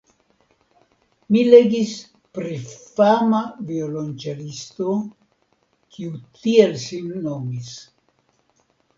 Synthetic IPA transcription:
mile̞ɡis | pɾifamaviolont͡ʃeɾist̪o | kʰiut̪ielsinːo̞mis

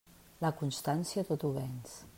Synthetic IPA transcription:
lakunst̪ansiat̪ot̪uβɛns

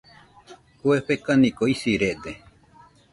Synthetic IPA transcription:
hueɸekanĩkoisiɾed̪e

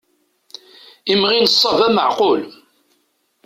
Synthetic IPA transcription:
imʁinəsˤːɑvæməʕqʊl

